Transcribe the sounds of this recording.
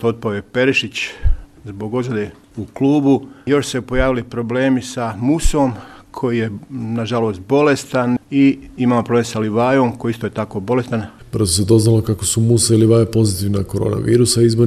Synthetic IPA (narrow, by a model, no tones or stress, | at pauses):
t̪ot̪̚paojepe̞ɾeʃit͡ɕzbo̞ɡo̞d̪zad̪e | ukluːbujo̞ʃsepo̞jaːʋilipɾo̞ble̞ːmisamuso̞ːmkʰo̞jije̞naʒaloːst̪̚bo̞le̞st̪aniimaːmopɾoblemsaliʋaːjo̞ːmkoist̪oje̞t̪ako̞ːbo̞le̞st̪an | br̩zosed̪o̞znalokakosumusailiʋajapo̞zit̪iʋnakoɾo̞̰ːna̰ʋiːɾusaizbo